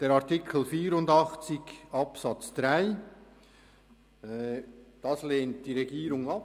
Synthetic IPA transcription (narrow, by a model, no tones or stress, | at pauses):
d̥eːɾɑʁtɪkʰl̩fiːɾʊndɑχt͡sɪɡɑpsɑt͡sd̥ʁaɪ | d̥ɑsleːnt̚d̥iːʁeɡiːɾʊŋɑp